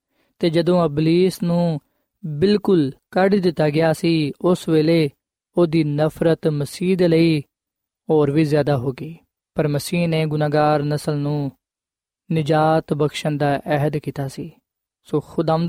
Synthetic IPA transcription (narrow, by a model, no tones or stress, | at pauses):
t̪eːd͡ʒəd̪õːəbliːsnũː | bɪlkʊlkəɖd̪ɪt̪ːaːɡɪjaːsiːʊsʋeːleː | oːd̪iːnəpʰɾət̪məsiːd̪eːləiː | ɦoːɾʋiːzjaːd̪aːɦoːɡiː | pəɾməsiːnẽːɡʊnaːɡaːɾnəsəlnũː | nɪd͡ʒaːt̪bəkʃənd̪aːʔɛɦəd̪kiːt̪aːsiː | soːxʊd̪am